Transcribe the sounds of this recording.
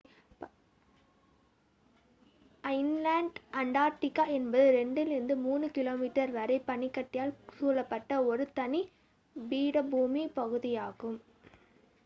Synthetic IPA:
ɐɪnlaːɳɖɐɳɖaːʈːɪkːaːɛnbɐðɯɾɛɳɖɪlɪɾɯnd̪ɯmuːnɯkɪloːmiʈːɐɾʋɐɾɐɪpɐɳɪkːɐʈːɪjaːlsuːlɐpːɐʈːɐɔɾɯt̪ɐni | biːɽɐbuːmipɐɣɯðɪjaːɣɯm

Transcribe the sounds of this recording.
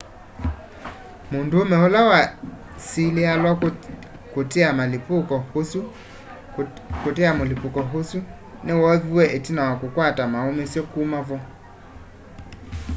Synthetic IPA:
mondomɛolawa | silealwa | koteamalepokɔosu | kotɛamolepokɔɦosu | newɔðiwɛʔetinawakokwatamaomesjɔkumavɔ

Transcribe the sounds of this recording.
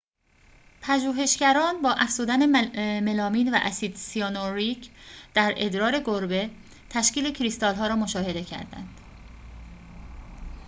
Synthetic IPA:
pʰæʒuːɦe̞ʃcæɾɒːnbɒːʔæfz̥uːd̪æne̞me̞lɒːmiːnvæ̰ʔæsiːd̪sionoɾicʰd̪̥æɾe̞d̪ɾɒːɾe̞ɡoɾbe̞ | t̪ʰæʃciːle̞cʰɾist̪ɒːlɦɒːɾɒːmoʃɒːhe̞d̪e̞cʰæ̰ɾd̪æ̰nd̪̥

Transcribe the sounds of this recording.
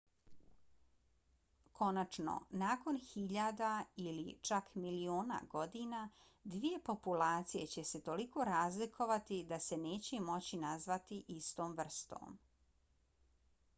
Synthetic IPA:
kʰo̞nat͡ʃno̰naːko̞nxiʎad̪ailit͡ʃakmilioːna̰ɡo̞d̪ina | d̪ʋije̞po̞pulaːt̪sije̞t͡ɕe̞se̞t̪o̞liko̞ɾaːzlikʰo̞ʋat̪id̪ase̞ne̞ːt͡ɕemo̞t͡ɕinazʋat̪iʔist̪oːmʋr̩st̪o̰ːm

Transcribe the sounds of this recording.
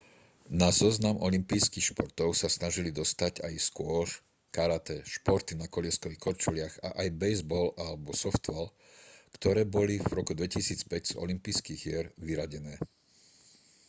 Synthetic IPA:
nazɔznamʔɔlimpijskixʃpɔɾt̪ɔʊsasnaʒilid̪ɔst̪aɟajskʊɔʃ | kaɾat̪ɛʃpɔɾt̪inakɔʎɪɛskɔikɔɾt͡ʃulɪaɣa̰ʔajbɛjzbɔlalɛbɔsɔft̪ʋɛl | kt̪ɔɾɛːbɔlivɾɔkud̪ʋɛcisiːt͡spɛɟz̥ɔ̰limpiːskiːɣɪɛɾʋiɾaɟɛnɛː

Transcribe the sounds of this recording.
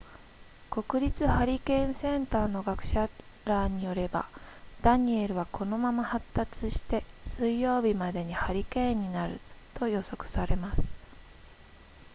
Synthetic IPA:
ko̞kɯ̟ɾʲit͡sɨhaɾʲikẽ̞ɰ̃sẽ̞nt̪aːno̞ɡakɯ̟̥ɕa | ɾaːɲ̟ijo̞ɾe̞ba̰d̪̥aɲ̟ie̞ɾɯ̟βakʰo̞no̞mamahat̪ːat͡sɨɕi̥t̪e̞sɨijːo̞ːbʲimad̪e̞ɲ̟ihaɾʲikẽ̞ɲ̟ːinaɾɯ̟̰t̪o̞jo̞so̞kɯ̟̥saɾe̞masɨ̥

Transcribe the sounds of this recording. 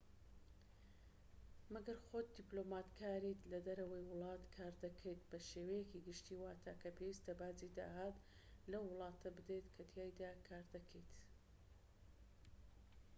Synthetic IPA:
mɐɡɐɾxoːt̪̚d̪iplomaːt̪kʰaːɾit̪lɐd̪ɐɾɐwɐjwʊlˠɑːt̪kʰaːɾd̪ɐkʰejt̪bɐʃewɐjekiɡɨʃt̪iːwaːt̪ʰaːkʰɐpʰewist̪ɐbaːzid̪a̰ːɦaːt̪ | lɐwːʊlˠɑːt̪ʰɐbɨd̪et̪kʰɐt̪ʰjaːjd̪aːkʰaːɾd̪ɐkʰɛjt̪

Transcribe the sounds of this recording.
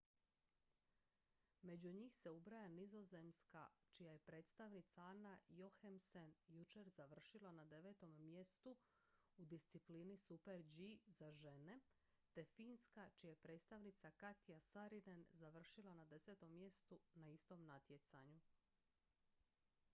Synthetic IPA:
me̞d͡ʑuɲiːxse̞ubɾajanizo̞ze̞mskat͡ʃijaje̞pɾe̞ːt̪st̪aʋnit̪saanajoxemsenjut͡ʃe̞ɾzaʋr̩ʃilanad̪e̞ʋe̞ːt̪o̞mːje̞st̪u | ud̪ist̪sipliːnisupeɾd͡ʒizaʒe̞ne̞ | t̪e̞fiːnskat͡ʃijajepɾe̞ːt̪st̪aʋnit̪sakat̪ijasaɾid̪enzaʋr̩ʃilanad̪e̞se̞t̪o̞mːje̞st̪unaist̪o̞mnat̪jet̪saɲu

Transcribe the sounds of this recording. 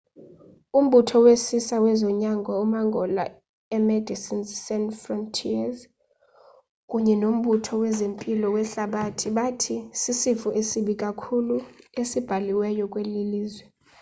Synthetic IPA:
um̩ɓutʰɔwesisawɛzɔɲaŋɡʱɔumaŋɡʱɔla̰ | ɛmɛdʱisinsɛnfrɔntʰiaz | kʼuɲɛnom̩ɓutʰɔwɛzempʼilɔwɛɬaɓatʰiɓatʰisisifuʔesiɓikʼakʰuluesib̥ʱaliwɛjɔkʼweliliːzwɛ

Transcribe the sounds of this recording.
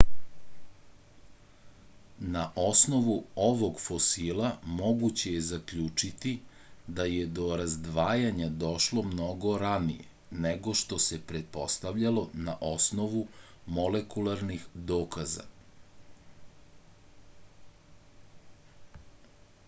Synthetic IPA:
naʔo̞sno̞ʋuoʋo̞ɡfosilamo̞ɡut͡ɕe̞jezakʎuːt͡ʂit̪i | d̪ajed̪o̞ɾazd̪ʋaːjaɲad̪o̞ʃlo̞mno̞ɡo̞ɾanijḛ | neɡo̞ʃt̪o̞sepɾet̪̚po̞st̪aʋʎalo̞naʔo̞sno̞ʋumo̞lekulaɾnixd̪oːkaza̰

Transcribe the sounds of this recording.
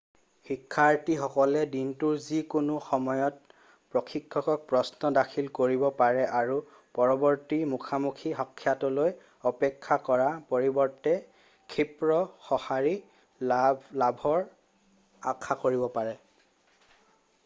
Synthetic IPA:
xikʰːaɹtixɔkɔlɛdintuɹzikunʊxɔmɔjɔt̚ | pɹɔkʰikʰːɔkɔk̚pɹɔsnɔdakʰilkoɹibɔpaɹɛʔaɹu | pɔɹɔbɔɹtimukʰamukʰixɔkʰːjatɔloj | ɔpɛkʰːakɔɹapoɹibɔɹtɛ | kʰipɹɔxɔhaɹi | labʱɔɹ | akʰakoɹibɔpaɹɛ

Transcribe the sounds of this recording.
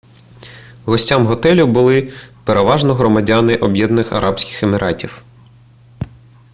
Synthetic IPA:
ɦɔsʲtʲamɦɔt̪ɛlʲʊbʊlˠɪpeɾeʋɑʒnɔɦɾɔmɐdʲanɪʔɔbjɛd̪nɔnɪxɐ̰ɾʔɑpsʲkʲɪ̥xemɪɾʔɑtʲiw

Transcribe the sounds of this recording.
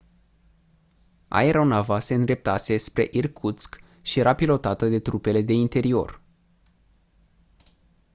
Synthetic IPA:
a̰eɾo̞navase̞ɨnd̪ɾe̞p̚t̪ase̞spɾe̞ʔirkʰut̪sk | ʃije̞ɾapilo̞t̪at̪əd̪e̞t̪ɾupe̞le̞d̪e̞int̪e̞ɾio̞̰r

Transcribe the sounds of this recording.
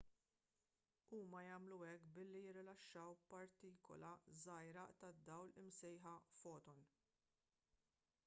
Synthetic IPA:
uːmɐjɐːmluɛkːbɪlːijɪɾːɪlɐʃːɐwpɐɾt̪iːkɔ̰lɐzɐjɾɐt̪ɐd̪ːɐwlɪmsɛjħɐfɔːt̪ɔn

